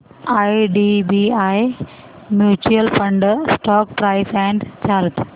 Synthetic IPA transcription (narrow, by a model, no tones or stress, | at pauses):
ajɖibiaj | mjuːt͡ɕuəlpə̃ɳɖsʈɔːk̚pɾaɪsɛ̃ɳɖt͡ɕalp